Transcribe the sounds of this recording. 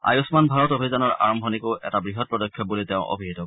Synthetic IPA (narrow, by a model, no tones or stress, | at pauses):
a̰jusmanbʱaɹɔtobʱizanɔɹa̰ɹɔmbʱɔnikoʔɛtabɹiɦɔt̚pɹɔdɔkʰːjɔbulitɛʊ̃ʔo̰bʱiɦitɔ